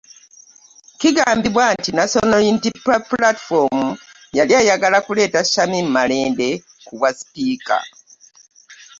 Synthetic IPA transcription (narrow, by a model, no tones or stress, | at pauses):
kiɡaːmbiβwantinaso̞nojintipaplatfomu | jaliajaɡalakule̞ːtaʃamimmale̞ːnde̞ | kuβwasi̥piːka̰